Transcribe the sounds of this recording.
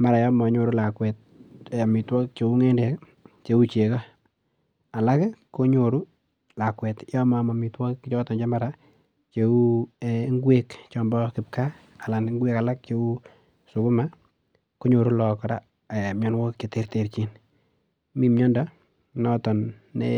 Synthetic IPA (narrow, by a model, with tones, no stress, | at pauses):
ma˨ɾa˨jɔ˦mɔ˨˦ɲo˨ɾu˦la˨kwɛ˨t̚a˨mi˨twɔ˦k̚t͡ʃe˦u˦ŋe˦ndɛ˨k | t͡ʃe˦u˦t͡ʃe˨kɔ˦ | a˨la˦kko˦ɲo˨ɾu˦ | la˨kwɛ˨tjɔ˦ma˨ma˨mitwɔ˦kt͡ʃɔ˦tɔ˨nt͡ʃe˦ma˦ɾa | t͡ʃeu˦eŋɡwekt͡ʃɔmbɔkɪ˨p̚ka | a˨la˨n˦ŋɡwe˦kala˦k̚t͡ʃe˦u˦ | su˨kʊ˦ma | ko˦ɲo˨ɾu˦lɔ˨kɔ˨ɾa̰˨ | mjɔ˦nwɔ˦kt͡ʃe˨te˦ɾte˨ɾt͡ʃi˦n | mi˨mɲɔ˦ndɔ | nɔ˦tɔ˨nː | ḛ